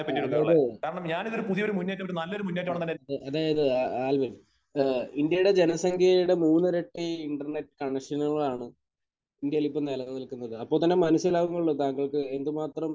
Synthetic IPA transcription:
piɐnːiɽðaːjɐðɨkaːɾɐɳɐmɲaːniðoɾupuðijoɾumunːeːtːɐmoɾunɐlːɐoɾumunːet̬ːʈːmaːɳɐnɐːeːɐɨɐðaːjɐðɨaaːlbɐɾ | ind̪jɐjuɽe̞d͡ʑenɐsɐŋkʰjɐuɽe̞muːnːɨɾe̞ʈːiiɳɖɐrɳe̞ʈːɨ̥kɐɳɐʂɐnɐɭɭaːɳɨ | ind̪jɐjlipːonelɐnɐlkunːɐðɨɐpːoɭt̪ɐnːe̞mɐnusjɐlaːʋuŋːɐɭːot̪aːŋɡɐɭkɨe̞nd̪ɨmaːt̪rɐm

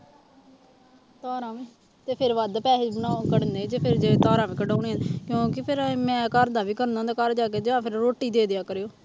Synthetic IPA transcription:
t̪aːɾãːʋẽː | t̪eːpʰɪɾʋəd̪pɛːɦebənaːkəɽneːd͡ʒeːpʰɪɾd͡ʒeːt̪aːɾãːʋẽːkəɖaːneːɦənkjõːkɪpʰɪɾmɛ̃ːkəɾd̪aːʋiːkəɾnãːd̪akəɾd͡ʒaːk̬eːd͡ʒãːpʰɪɾɾoːʈːiːd̪eːd̪ejaːkəɾjoː

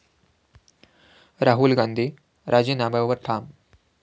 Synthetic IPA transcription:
ɾaːɦulɡaːnd̪ʱi | ɾʔaːd͡ʑiːnaːbɐʋɐɾʈʰaːm

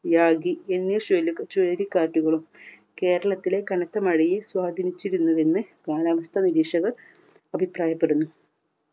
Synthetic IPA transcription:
jaːɡienːijɐɕolukt͡ɕoːɾikːaːʈːuɣɐɭum | ke̞ːɾɐɭɐt̪ːilekɐɳɐt̪ːɐmɐɻɐjeswaːd̪ʱinit͡ɕːiɾunːuʋe̞nːɨkaːlaːʋɐst̪ʰɐniɾiːʂɐɣɐr | ɐbʱipraːjɐpːeɽunːu

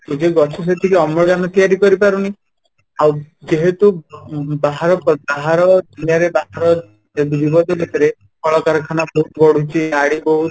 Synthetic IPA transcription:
t̪ed͡ʒeɡɔt͡ʃʰɔs̬et̪ʰikeɔmɾɔɡanɔt̪ijaɾikɔɾipaɾuni | awd͡ʒeɦet̪ubaɦaɾɔpɔbaɦaɾɔd̪ʱunjaɾebaɦaɾɔ | ed̪ubibɔd̪ʱɔbʱet̪ɔɾe | kʰɔɭɔkaɾɔkʰanabɔɦuɡɔɽut͡ʃʰiaɽibɔɦu

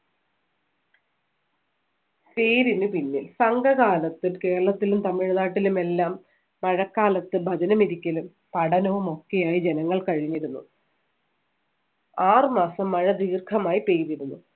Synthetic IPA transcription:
peːɾinɨpinːilsɐŋɡɐɣaːlɐt̪ːilke̞ːɾɐɭɐt̪ːilumt̪ɐmiɻnaːʈːilume̞lːaːmː | ɐɻɐkːaːlɐt̪ːɨbʱɐd͡ʑɐnɐmiɾikʲːɐlum | pɐɽɐnɐʋumo̞kːe̞jaːjid͡ʑe̞nɐŋːɐɭkɐɻiɲːiɾunːu | aːrmaːsɐmːɐɻɐd̪iːrkʰɐmaːjipe̞ːɾiɽunːu

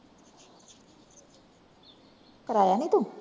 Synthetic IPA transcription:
kəɾajanit̪u

